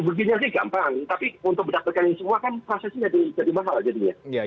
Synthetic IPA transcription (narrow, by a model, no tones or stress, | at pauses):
bəɡiɲas̬ɪhɡa̰mpaŋt̪apiunt̪ʊk̚bədapat̪̚kanɪŋsəmuakanpɾasasid͡ʒadid͡ʒadimaɦald͡ʒadiɲaj